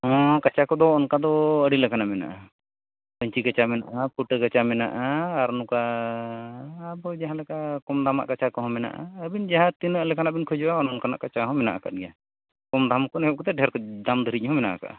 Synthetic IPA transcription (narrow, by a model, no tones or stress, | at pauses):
ɦɔ̃kat͡ʃakɔd̪ɔːnkad̪ɔəɽilɛkanamɛna̰ʔa | pəɲt͡ʃikət͡ʃamɛna̰ʔapʰuʈəkət͡ʃamɛna̰ʔaːɾnuka | bɔd͡ʒaɦãlɛkakɔmd̪ama̰ʔkat͡ʃakɔɦɔ̃mɛna̰ʔa̰əbind͡ʒaɦãt̪inəʔlɛkanabinkʰud͡ʒuʔaɔnɔnkana̰ʔkat͡ʃaɦɔ̃mɛna̰ʔaka̰ʔ̚ɡɛja | kɔmd̪ʱamkɔnɛɦɛʔ̚kɔt̪ɛɖʱɛɾkɔd̪amd̪ʱəɾic̚ˀɦɔ̃mɛna̰ʔa̰ka̰ʔ